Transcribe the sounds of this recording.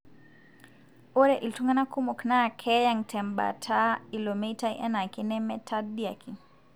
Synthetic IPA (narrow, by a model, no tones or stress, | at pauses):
ɔɾɛʔiltuŋɡanakumɔknakʰɛjaŋtʰɛmba̰tʰailɔmeitaiʔɛ̰nakinɛmɛtʰadiakʰin